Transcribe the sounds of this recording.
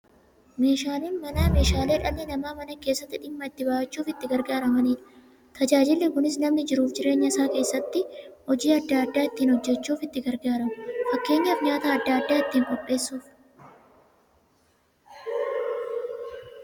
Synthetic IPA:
me̞ːʃaːliːnmɐnaːme̞ːʃaːle̞ːᶑɐlːɪnɐmaːmɐnɐke̞ːsːɐt̪ːɪᶑɪmːɐɪt̪ːɪbaːɐt͡ʃːuːfɪt̪ːɪɡɐɾɡaːɾɐmɐniːᶑɐ̥ | t̪ʰɐd͡ʒaːd͡ʒɪlːɪkʊnɪsnɐmnɪd͡ʒɪɾuːfd͡ʒɪɾe̞ːɲːɐɪsaːke̞ːsːɐt̪ːɪhɔd͡ʒiːɐd̪ːaːɐd̪ːaːɪt̪ːiːnhɔd͡ʒːɛt͡ʃːuːfɪt̪ːɪɡɐɾɡaːɾɐmʊfɐkːe̞ːɲːɐfɲaːt̪aɐd̪ːaːd̪ːaːɪt̪ːiːŋkʼɔpʼːe̞ːsːuːf

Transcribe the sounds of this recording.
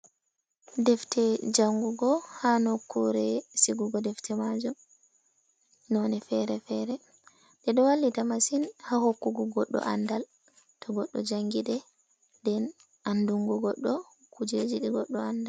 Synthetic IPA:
dɛftʰɛd͡ʒaŋɡuɡɔhanɔkːuɾɛsiɡuɡɔdɛftʰɛmad͡ʒum | nɔnɛfɛɾɛfɛɾɛ | ɗɛɗɔwalːitamasinhahokːuɡɔɡɔɗːɔ̰ʔa̰ndal | tʰɔɡɔɗːɔ̰d͡ʒaŋɡiɗɛ | dɛn | anduŋɡɔɡɔɗːɔ | kud͡ʒed͡ʒiɗɛɡɔɗːɔandal

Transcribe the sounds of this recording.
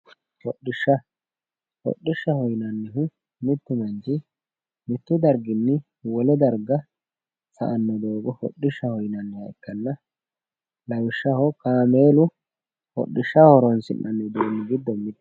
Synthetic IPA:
hɔɗːɪʃːɐ | hɔ̰ɗːɪʃːɐhɔjnɐnːɛɦʊ | mɪt̪ːʊmɐnd͡ʒɪ | mɪt̪ːʊd̪ɐɾɡɪnːɪ | wɔlɛd̪ɐɾɡɐ | sɐ̰ʔɐnːɔd̪oːɡɔhɔ̰ɗːɪʃːɐhɔjnɐnːɛhɐɪkːɐnːɐ | lɐwɪʃːɐhɔkaːmeːlʊ | hɔ̰ɗːɪʃːɐhɔɾɔnsɪnːɐnːɛd̪uːnːɪɡɪd̪ːɔmːɪd̪

